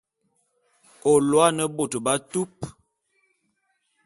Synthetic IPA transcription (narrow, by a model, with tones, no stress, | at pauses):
o˨lwa˦nə˦bo˨tba˦tu˦p̚